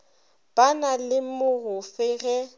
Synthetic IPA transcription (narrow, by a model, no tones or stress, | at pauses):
b̥analɪmʊɣʊfɪɣɛ